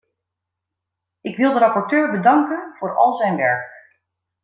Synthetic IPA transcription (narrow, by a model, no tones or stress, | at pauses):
ʔɪkʋɪlˠdəɾɑpɔɹtøːɹbədɑŋkənv̥ʊːɹɑ̰lˠzɛjnʋɛɹk